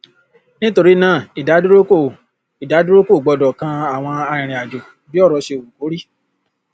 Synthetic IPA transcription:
nĩ˦to˧ɾi˦nãː˦˨i˨da˨˦do˦ɾo˦ko˦˨ | i˨da˨˦do˦ɾo˦ko˦˨ɡ͡bɔ˧dɔ˨kã˧˦a˨w̃ɔ̃˧a˧ɾ̃ĩ˨ɾ̃ĩ˨a˨d͡ʒo˨ | bi˦ɔ˦˨ɾɔ˧ʃe˧o˨wu˨ko˨˦ɾi˦˨

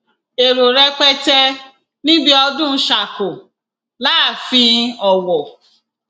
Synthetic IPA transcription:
e˨ɾo˨ɾɛ˧k͡pɛ˦tɛ˧ | nĩ˦bi˦ɔ˧dũ˦ʃa˨ko˨ | la˦˨fĩ˧ɔ˨wɔ˨

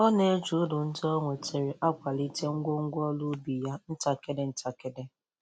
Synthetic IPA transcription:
ɔ˦ne˦d͡ʒu˨˦dʊ˨n̩˦dɔ˦ŋʷe˨te˨ɾɪ˨ʔa˦kʷa˨li˦te˦ŋ̩˦ɡʷo˦ŋ̩˦ɡʷɔ˦lʊ˦bi˨ja˦n̩˦ta˨ke˦de˦n̩˦ta˨ke˦de˦

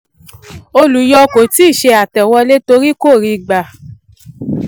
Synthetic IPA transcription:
o˧lu˨jɔ˧ko˨ti˦˨ʃe˧a˨tɛ˨wɔ˧le˦to˧ɾi˦ko˦˨ɾi˧ɡ͡ba˨

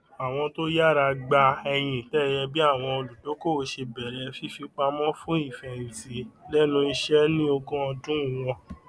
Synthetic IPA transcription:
a˨w̃ɔ̃˧to˦ja˦˨ɾa˧ɡ͡ba˧ɛ˧j̃ĩ˨tɛ˦˨jɛ˧bi˦a˦˨w̃ɔ̃˧o˧lu˨do˨˦ko˦˨˧ʃe˧bɛ˨ɾɛ˨˧fi˦fi˧k͡pa˧mɔ̃˦fũ˦i˦˨fɛ̃˨ĩ˨ti˨˦lɛ˦nũ˧i˧ʃɛ˦nĩ˦o˧kɔ̃˦ɔ˧dũ˦˨w̃ɔ̃˧

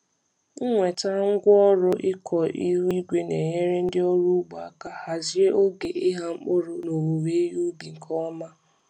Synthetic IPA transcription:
ŋʷe˨ta˦ŋ̩˦ɡʷɔ˦ɾʊ˦ʔɪ˦kʰɔ˨ʔi˦ɾi˦ɡʷe˦ne˨ɲe˦ɾe˦n̩˦dɪ˦ɔ˦ɾu˦ɡ͡ba˨a˨ka˨ha˨zje˦ʔo˦ɡe˨ɪ˦ɦa˦ŋ͡m̩˦k͡pʊ˦ɾʊ˨no˨ɾu˨ɾe˦ju˦bi˨ŋ̩˨kʰɔ˦ma˦

